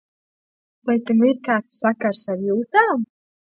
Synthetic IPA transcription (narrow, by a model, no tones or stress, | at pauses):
vajt̪amiɾkaːt̪sːakaɾsaɾjuːt̪aːm